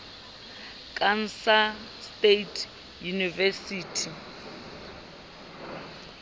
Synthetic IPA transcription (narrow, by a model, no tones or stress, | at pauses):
kʼan̩sa | stetʰʼ | junivɛsiːtʰi